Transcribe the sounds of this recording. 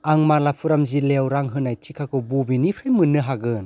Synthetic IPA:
aŋmalapʰuɾamzilewɾaŋɦɯnajt͡ʃikʰakʰɯbubinipʰɾajmɯnːɯɦaɡɯn

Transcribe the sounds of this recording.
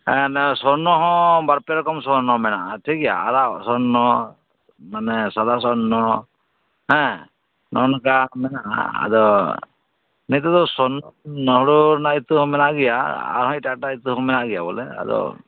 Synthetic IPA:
hɛ̃nɛsɔɾnɔɦɔ̃baɾpɛɾɔkɔmsɔɾnɔmɛnaʔaʈʰikija̰a̰ɾasɔnːɔ | manɛsad̪as̬ɔnɔ | ɦɛ̃ | nɔnkamɛnaʔa̰a̰d̪ɔ | nit̪ad̪ɔsɔnːɔnɔɦɔɽunait̪uɦɔ̃mɛnaʔɡija̰a̰ɾɦɔ̃itaʈait̪uɦɔ̃mɛnaʔɡɛjabɔlɛ̰a̰d̪ɔ̰

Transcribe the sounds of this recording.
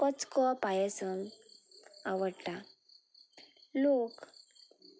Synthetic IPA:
kɔt͡skɔpajɛsən | aʋəɽʈa | lok

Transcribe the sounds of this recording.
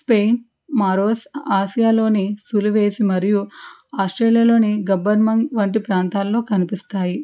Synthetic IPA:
speːjn | maːɾoːsaːʃijaːlo̞ːnisuluʋe̞ːsimɐɾiju | aːsʈɾeːlijalo̞ːniɡɐbɐɾmɐŋʋɐɳʈipɾaːnt̪aːlːo̞ːkɐnipist̪aːji

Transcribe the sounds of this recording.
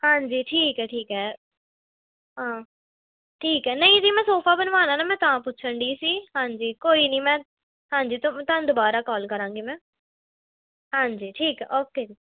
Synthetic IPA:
hãːɲd͡ʒiːʈʰiːkɦɛːʈʰiːkɦɛː | ɦãː | ʈʰiːkɦɛːnəĩd͡ʒiːmɛ̃ːsoːpʰaːbənʋaːnãːnaːmɛ̃ːt̪ãːpʊtːʃʰəɳɖiːsiːɦãːɲd͡ʒiːkoːiːnəĩːmɛ̃ː | ɦãːɲd͡ʒiːt̪ʊmt̪ãd̪ʊbaːɾaːkɔːlkəɾãːŋɡiːmɛ̃ː | ɦãːd͡ʒiːʈʰiːkɦɛ̰ːʔoːkeːd͡ʒiː

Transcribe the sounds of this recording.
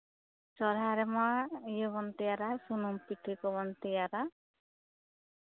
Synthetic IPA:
t͡ʃɔɾɦaɾemɔaijɔbɔnt̪ijaɾasunumpiʈʰikɔβɔnt̪ijaɾa

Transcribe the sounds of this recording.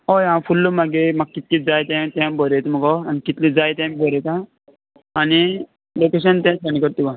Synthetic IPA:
ɦojãfulːomaɡemaɡ̚kit̪lĩd͡zajt̪amt̪ãmbəɾet̪məɡɔanikit̪lĩd͡zajt̪ajmbʱəɾekã | ani | lokeɕ̬ənt̪ɛ̃sənikəɾt̪ubã

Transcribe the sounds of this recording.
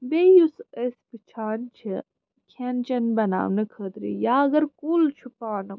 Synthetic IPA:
bejusespit͡ʃʰaːnt͡ʃʰi | kʰent͡ʃɐnbɐna̰ːwnɨkʰəːd̪ɾḭjaːɐɡɐɾkult͡ʃʰupaːnɨ

